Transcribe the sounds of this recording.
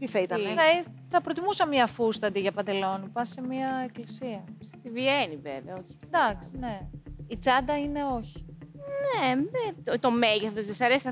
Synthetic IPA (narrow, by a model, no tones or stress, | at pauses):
t̪iθɐit̪ɐnɐi | θɐpɾo̞t̪imusɐmɲɐfust̪ɐt̪iʝɐpɐnd̪e̞lo̞nipɐsemiɐeklisiɐst̪ivieniveveɐoçi̥d̪ɐksi̥ne̞it͡sɐd̪ɐine̞o̞çi̥neðet̪ot̪o̞meʝeθθozðesɐɾesi